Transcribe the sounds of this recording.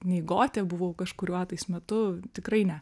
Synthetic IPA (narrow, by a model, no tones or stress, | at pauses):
nʲɛɪɡoːt̪ʲɛbʊʋoʊkɐʃkʊɾʲuːɑːt̪ɐɪsmʲɛt̪ʊt̪ʲɪkrɐɪnʲɛ